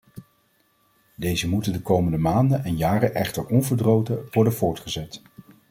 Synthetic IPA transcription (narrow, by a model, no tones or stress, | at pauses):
dejzəmutəndəkowməndəmaːndənɛnjaːrənʔɛχtəɹɔnvəɹdrowtəʋɔɹdənvʊːɹtχəzɛt